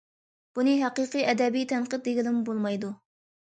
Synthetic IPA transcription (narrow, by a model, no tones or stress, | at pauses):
b̥unɨɦæqɨqɨɛd̪ɛbijt̪ʰɛnqəd̪̚d̪eɡʲilɪmbolˠmɑjd̪u